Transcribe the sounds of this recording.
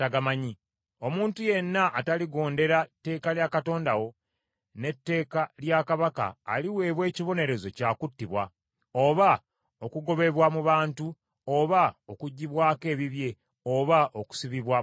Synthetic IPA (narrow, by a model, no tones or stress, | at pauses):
taɡamaɲi | o̞muːntuje̞nːaʔːtaliɡo̞ːnde̞ɾatːe̞ːkaljakato̞ːndawo̞ | ne̞tːe̞ːkaljakaβaka̰ːliwe̞ːβwe̞ːciβo̞ne̞ɾe̞zo̞caːkutːiβwa | o̞βa | o̞kuɡo̞βe̞βwamuβaːntu | oβaokuɟːiβwaːke̞ːβiβje̞ | oβaʔoku̥siβiβwa